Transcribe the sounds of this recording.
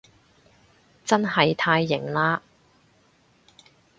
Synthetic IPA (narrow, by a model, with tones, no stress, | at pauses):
t͡sɐ˥nhɐ˨jt̪ʰaː˧jːɪ˨˩ŋlaː˥